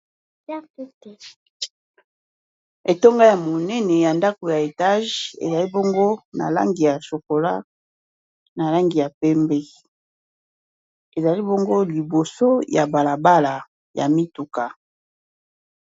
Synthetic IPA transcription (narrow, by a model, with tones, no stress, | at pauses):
e˨to˦ŋɡa˦ja˨mo˨nɛ˦nɛ˨ja˨nda˦ko˨ja˨e˨ta˦ʒḛ˨za˨li˦bo˦ŋɡo˦na̰˨la̰˦ŋɡi˨ja˨so˨ko˨la̰˦ | na˨la˦ŋɡi˨ja˨pɛ˦mbɛ˦ | e˨za˨li˦bo˦ŋɡo˦li˨bo˨so˦ja˨ba˨la˨ba˦la˨ | ja̰˨mi˦tu˨ka˨